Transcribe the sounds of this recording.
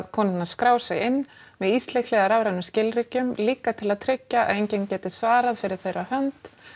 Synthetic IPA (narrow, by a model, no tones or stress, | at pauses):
ðkʰɔnɪt̪naskɾaːwsɛɣɪnːmɛðist̪lejklɛːɣaɾavɾanʏscɪlɾɪcʏmliːkat̪ʰɪlaðt̪ʰɾɛcːaa̰ðejɲcencɛːt̪ɪsvaːɾaðfɪɾɪɾ̥θejɾahœnt̪